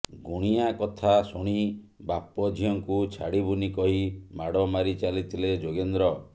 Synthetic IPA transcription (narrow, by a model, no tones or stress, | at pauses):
ɡuɽ̃iakɔt̪ʰasuɽ̃ibapɔd͡ʒʱiɔŋkut͡ʃʰaɽibunikɔɦimaɽɔmaɾit͡ʃalit̪ʰiled͡ʒoɡend̪ɾɔ